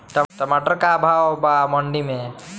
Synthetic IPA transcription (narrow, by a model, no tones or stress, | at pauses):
ʈəʈəmaʈəɾkaːbʱawbamɔ̃ɳɖimẽ